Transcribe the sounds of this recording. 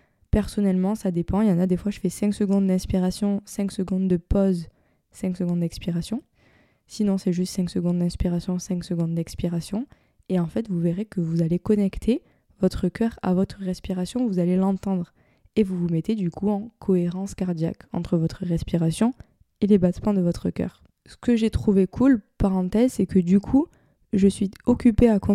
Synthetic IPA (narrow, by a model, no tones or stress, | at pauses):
pɛʁsɔnɛlmɑ̃sad̪epɑ̃eljɑ̃nad̪efwaʒəfɛsɛ̃ŋksəɡɔ̃d̪d̪ɛ̃spiʁasjɔ̃sɛ̃ŋksəɡɔ̃d̪d̪əpɔz | sɛ̃ksəɡɔ̃d̪d̪ɛkspiʁasjɔ̃ | sinɔ̃sɛʒyst̪sɛ̃ŋksəɡɔ̃d̪d̪ɛ̃spiʁasjɔ̃sɛ̃ŋksəɡɔ̃d̪d̪ɛkspiʁasjɔ̃ | eɑ̃fɛt̪vuveʁekəvuzalekɔnɛkt̪ʰe | vɔt̪χəkʲœʁa̰vɔt̪χəʁɛspiʁasjɔ̃vuzalelɑ̃t̪ɑ̃d̪ʁ | evuvumɛt̪ed̪ykʰuɑ̃kʰɔeʁɑ̃skaʁd̪ja̰kɑ̰̃t̪χəvɔt̪χəʁɛspiʁasjɔ̃ | elebat̪mɑ̃d̪əvɔt̪χəkʲœ̰ːʁ | sə̥kəʒet̪χuvekʰulpaʁɑ̃t̪ɛzsɛkəd̪ykʰu | ʒəsɥiɔkʲypeakɔ̃